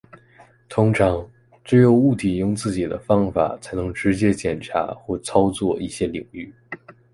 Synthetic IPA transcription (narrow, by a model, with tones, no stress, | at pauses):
t̪ʰʊ˥ŋʈ͡ʂʰɑ˧˥ŋ | ʈ͡ʂɻ̩˥jo˧˩ʊu˥˩t̪ʰi˨˩jʊ˥˧ŋt͡sɹ̩˥˩t͡ɕi˨˩d̪ə̰˦fɑ˥ŋfa̰˨˩t͡sʰa˧˥ɪnɤ˧˥ŋʈ͡ʂɻ̩˧˥t͡ɕjɛ˥t͡ɕjɛ˨˩nʈ͡ʂʰa̰˧˥xwɔ˥˩t͡sʰɑ˥ʊt͡swɔ˥˧i˥˩ɕjɛ˥li˨˩ŋy˥˩